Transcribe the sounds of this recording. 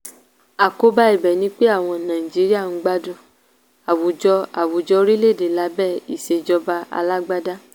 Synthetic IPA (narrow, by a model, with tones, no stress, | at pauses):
a˨ko˧ba˦i˦˨bɛ˨nĩ˦k͡pe˦a˦˨w̃ɔ̃˧nãː˨ĩ˨d͡ʒi˨˦ɾi˦a˦˨ñ̩˦ɡ͡ba˦dũ˦˨ | a˨wo˨d͡ʒɔ˧a˨wo˨d͡ʒɔ˧˦ɾi˦le˦˨de˨la˧˦bɛ˦˨i˨ʃe˧d͡ʒɔ˧ba˧a̰˧la˦ɡ͡ba˦da˦